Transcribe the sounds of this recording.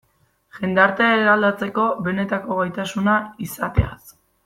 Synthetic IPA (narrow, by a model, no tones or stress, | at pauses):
ʝe̞nd̪aɾt̪eeɾald̪at͡se̞ko̞βe̞ne̞t̪ako̞ɣajt̪asunaisat̪e̞̰a̰s